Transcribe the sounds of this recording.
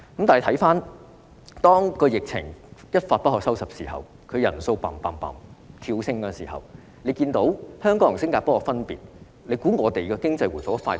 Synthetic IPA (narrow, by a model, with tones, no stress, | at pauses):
kɐ˨˥mt̪aː˨˩˨t̪ʰɐ˨˥jfaː˥n | t̪ɔː˥ŋkɔː˧jɪ˨k̚t͡sʰɪ̰˨˩ŋjɐ˥t̚faː˧t̚pɐ˥t̚hɔː˨k̚sɐ˥wsɐ˨p̚siː˨˩hɐ̰˨w | kʰɵ˨˧ɥjɐ̰˨˩nso˧wpa̰ː˨˩mpaː˨˩mpa̰ː˨˩mt̪ʰiː˧wsɪ˥ŋkɔː˧nsiː˨˩ɦɐ̰˨˩w | le˨˧jkiː˧nt̪o˨˥whœː˥ŋkɔ˨˥ŋjŋsɪ˥ŋkaː˧pɔː˥ɔ˧fɐ˥npḭː˨t̚ | le˨˧jkuː˨˥ŋɔː˨˧t̪e˨jkɛː˧kɪ˥ŋt͡sɐ˧jwuː˨˩foː˨˥faː˧